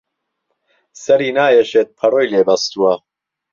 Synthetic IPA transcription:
sɐɾiːnaːjɛʃeːt̪̚pʰɐroːjleːbɐst̪uwɐ

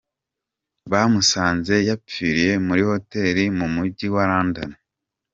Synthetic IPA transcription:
βamusaːnze̞japiːɾije̞muɾiho̞te̞ːɾimumuɟiwaɾaːnda̰ne

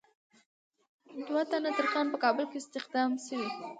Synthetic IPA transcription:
d̪wat̪anat̪əɾkɑnpəkɑbəlkeɪst̪ɪxd̪ɑmsiwi

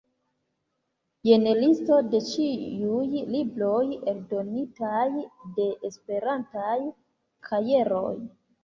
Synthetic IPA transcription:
je̞nelisto̞de̞t͡ʃiujlibɾojeldo̞nitajde̞ʔespe̞ɾantaj | kʰaje̞ɾo̞̰j

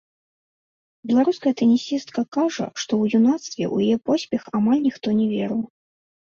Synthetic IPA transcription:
bʲɛlˠaɾuskɐjɐt̪ɛnʲisʲist̪kɐkaʐɐ̰ʂt̪ɔwjunat̪st̪vʲɛ̰ʔw̰jjɛpɔsʲpʲɛxamalʲnʲixt̪ɔnʲɛvʲɛɾɨw

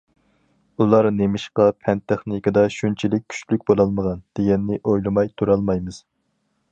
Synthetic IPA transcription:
ulˠɑɾnemɪʃqɑpʰɛnt̪ʰɛχnɪkɨd̪ɑʃunt͡ʃʰilɪk̚ʲːʰy̥ʃlyk̚ʲbolˠɑlˠməʁɑnd̪̥eɡʲɛnːɪʔojlˠɨmɑjt̪ʰuɾɑlˠmɑjmɨz̥

